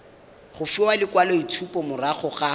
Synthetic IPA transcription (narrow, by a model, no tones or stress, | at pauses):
χʊfɪwalɪkwalɔitʰupɔmʊraχɔχa